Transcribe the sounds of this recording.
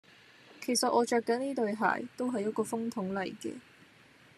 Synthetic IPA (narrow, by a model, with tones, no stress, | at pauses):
kʰe˨˩jsɐ˨t̚ʔɔː˨˧t͡ʃœː˧kːɐ˨˥nniː˥t̪ɵ˨˧ɥɦa̰ː˨˩jt̪o˥wɦɐ˨jɐ˦˥kɔː˧fʊ˥ŋt̪ʰʊ˨˥ŋlɐ˨jkɛ̰ː˧